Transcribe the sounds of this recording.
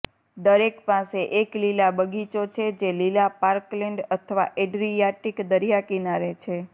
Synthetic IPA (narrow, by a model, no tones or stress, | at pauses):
d̪əɾekpaseʔeklilabəɡʱit͡ʃot͡ʃʰed͡ʒelilapaɾklɛɳɖət̪ʰəʋa̰ʔeɖɾijaʈikd̪əɾijakinaɾet͡ʃʰe